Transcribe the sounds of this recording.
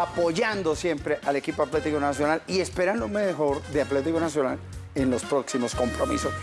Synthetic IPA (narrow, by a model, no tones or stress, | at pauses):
apo̞ʝand̪o̞sje̞mpɾeʔale̞kipoat̪let̪ikonasjo̞nalie̞spe̞ɾand̪omexo̞ɾðeat̪let̪̬ikonasjo̞nalenlo̞spɾo̞ksimo̞sko̞mpɾo̞mḭso̞s